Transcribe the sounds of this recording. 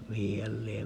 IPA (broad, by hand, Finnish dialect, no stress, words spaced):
mihi hæl liem